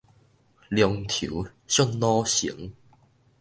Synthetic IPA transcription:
ljɔ˧ŋt̪ʰḭ˨˦ɕɔ˥˧ŋnɔ˦ɕḭ˨˦ŋ

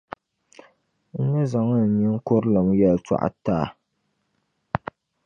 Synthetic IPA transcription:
n̩˦nɨ˦za˨ŋa˦˨ɲɛ˦ŋ̩˦ko˦ɾlɨ˨mjɛ˨lt͡ʃa̰˦˨ʔa̰˦taː˦˨

